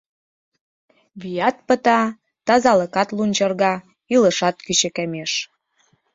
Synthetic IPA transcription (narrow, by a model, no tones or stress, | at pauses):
βijɑt̪̚pə̆t̪ɑ | t̪ɑzɑləkɑt̪lunʲt͡ɕɤ̆rɣɑ | iləʃɑt̪̚kyt͡ɕɘ̆kæmeʃ